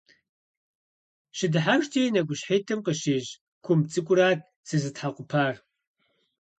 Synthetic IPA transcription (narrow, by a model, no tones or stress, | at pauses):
ʃɪdɨħaʃtʰʼeːjnɐkʷʼʊɕħeːtʰɨmqəɕeːʑ | kʷʰʊmt͡sʼɨkʷʼʊɾaːt̚ | sɨzɨtħaqʷʊpʰaːr